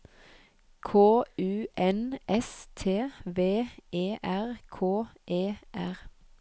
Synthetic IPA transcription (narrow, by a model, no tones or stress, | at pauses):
kʰoːʉːʔɛnʔɛst̪ʰeːʋeːeːʔæʁkʰoːʔeːʔæʁ